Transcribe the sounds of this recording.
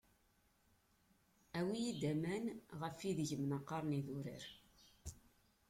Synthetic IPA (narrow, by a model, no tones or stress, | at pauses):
æwijid̪æmænʁəfiðəʝəmnɑqːɑɾˤniðuɾḭɾ